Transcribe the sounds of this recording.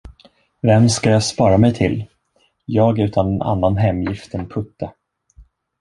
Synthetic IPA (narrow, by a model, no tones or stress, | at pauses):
vɛmskajɑːspɑːɾamɛjt̪ʰɪlː | jɑːɡʉ̟ːt̪ʰanɛna̰nːanɦɛmːjɪft̪ɛnpʰɵt̪ːa